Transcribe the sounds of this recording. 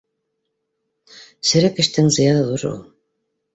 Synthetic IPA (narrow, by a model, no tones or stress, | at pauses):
sɘ̆ɾækɘ̆ʃt̪ɘŋzɤ̆jɑnɤðuɾṵlˠ